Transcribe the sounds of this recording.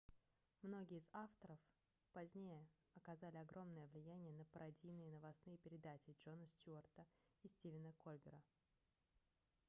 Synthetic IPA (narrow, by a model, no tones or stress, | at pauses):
mno̞ɡʲɪːɪzaft̪əɾəf | pɐzʲnʲejə | ɐkɐzalʲɪɐɡɾʔo̞mnəjəvlʲɪjænʲɪjənəpəɾʔɐdʲijnɨjənəvɐsnɨjəpʲɪɾʲɪd̪at͡ɕɪʐo̞nəsʲtʲuərt̪əisʲtʲivʲɪnəko̞lʲbʲɪ̰ɾə